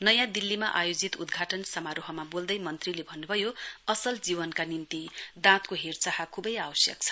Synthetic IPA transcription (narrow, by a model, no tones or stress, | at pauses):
nʌjãd̪ilːimaʔajod͡zit̪ud̪ɡʱaʈʌnsʌmaɾoɦʌmabold̪ʌjmʌnt̪rilebʱʌnːubʱʌjoʌsʌld͡ziβʌnkanint̪id̪ãt̪koɦert͡sahakʰubʌjawʌsjʌ̰k̚t͡sʰʌ̥